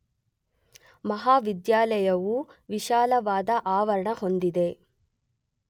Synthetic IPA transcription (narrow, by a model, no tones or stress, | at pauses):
mɐɦaːʋid̪jaːlɐjɐʋuʋiʃaːlɐʋaːd̪ɐʔaːʋɐɾɐɳɐho̞nd̪id̪e